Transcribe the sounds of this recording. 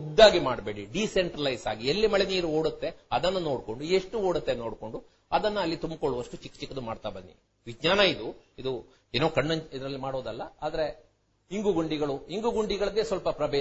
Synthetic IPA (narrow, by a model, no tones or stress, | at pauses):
ud̪ːaːɡimaːɽbe̞ːɽiɖiseɳʈɾɐlɐjsaːɡielːimɐɭeniːɾuoːɽut̪ːe̞ɐd̪ɐnːɐno̞ːɽko̞ɳɖueʂʈuo̞ːɽut̪ːeno̞ːɽko̞ɳɖu | ɐd̪ɐnːɐːlːit̪umbkoɭuʋɐʂʈut͡ʃikːt͡ʃikːɐd̪umaːɽt̪abɐnːḭ | ʋid͡ʒɲaːnɐid̪uid̪u | eːnoːkɐɳːɐid̪ɐɾɐlːimaːɽoːd̪ɐlːɐaːd̪ɐɾe̞ | iŋɡuɡuɳɖiɡɐɭuɦiŋɡuɡuɳɖiɡɐɭɐd̪eːsʋɐlpɐpɾɐbeː